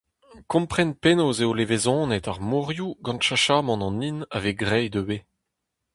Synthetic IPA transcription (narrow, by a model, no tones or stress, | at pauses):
kɔ̃mpχɛnpenoːzeolevezɔ̃ːnet̪aʁmuʁjuɡɑ̃nʃaʃaːmɑ̃nɑ̃ninaveɡʁɛjd̪øwe